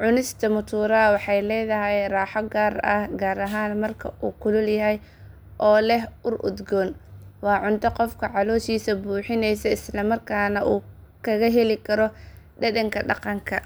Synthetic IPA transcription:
ʕʊnɪst̪ʰɐmʊt̪ʰuːɾɐwɑħɑjlɛːðɐɦɛjraːħɔɡaːrɐhɡaːɾɐɦaːnmɐrkʰɐʔuːkʰʊlʊljɐɦɛj | ʔɔːlɛɦʊrʔʊ̰d̪ɡɔnwɑːʕʊnt̪ʰɐqɔfkʰɐʕɑlɔːʃiːsɐbuːħɪnɛjsɐɪslɐmɐrkʰaːnɐʔuː | kʰɐɣɐɦɛlɪkʰɐɾɔ | ɖɐðɐŋkʰɐɖɑqɑŋkʰɐ

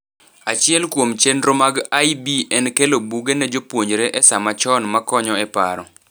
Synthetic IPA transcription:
at͡ʃɪɛlkwomt͡ʃendɾomaɡajbiɛnkelobuɡenɛd͡ʒopwoɲd͡ʒɾeʔɛsamat͡ʃɔnmakɔɲɔɛpa̰ɾɔ

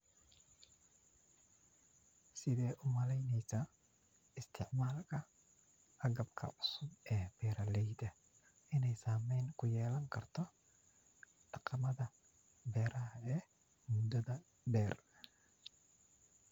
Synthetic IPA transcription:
sɪðɛːʔʊmɐlɛjnɛjsɐ | ɪst̪ʰɪʕmaːlkʰɐ | ʔɐɣɐbkʰɐ̰ʔʊsʊbɛːb̥ɛːɾɐlɛjd̪ɐ | ɪnɛjsaːmɛjnkʰʊjɛːlɐŋkʰɐrt̪ʰɔ | ɖ̥ɑqɑmɐðɐ | bɛːɾɐɦɐɛː | mʊd̪ɐðɐ | ɖɛːr

